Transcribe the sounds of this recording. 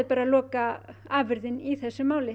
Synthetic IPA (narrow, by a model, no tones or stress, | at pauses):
ðpaːɾalɔːkaaːvɪɾðɪniθɛsːʏmaːwlɪ